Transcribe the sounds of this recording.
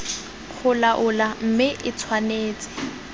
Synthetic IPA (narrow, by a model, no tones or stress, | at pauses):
k͡xʰʊlaʔʊlam̩mɪʔɪt͡sʰwaneːt͡sʼɪ̥